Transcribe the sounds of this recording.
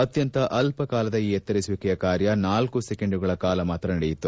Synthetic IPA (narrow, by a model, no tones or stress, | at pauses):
ɐt̪jɐnt̪ɐʔɐlpɐkaːlɐd̪ɐiːɛt̪ːɐɾisuʋikɛjɐkaːɾjɐnaːlkusekeɳɖuɡɐɭɐkaːlɐmaːt̪ɾɐnɐɽejit̪ːu